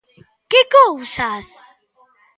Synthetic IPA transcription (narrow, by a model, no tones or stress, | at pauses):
kɪkowsas